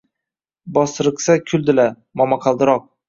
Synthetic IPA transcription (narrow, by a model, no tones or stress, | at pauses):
bɒsɾɨqsakʲʰʊld̪ɪla | mɒmaqʰɑlˠd̪ɪɾɒq̚